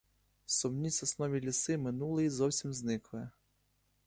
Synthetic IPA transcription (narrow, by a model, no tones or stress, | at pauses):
sɔmnʲisʲɔsnɔʋʲilʲisɪmɪnulˠɪizɔwsʲimznɪklˠɪ